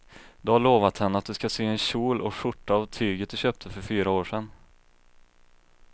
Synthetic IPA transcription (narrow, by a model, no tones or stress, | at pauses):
d̪ɛhaɭoːvat̪hɛnːəat̪̚d̪ɵskaseːɛnɕuːlɔʂʊʈːaːvt̪ʰyːɡət̪̚d̪ɵɕøːp̚t̪ʰəfœɾfyːɾaoːʂɛn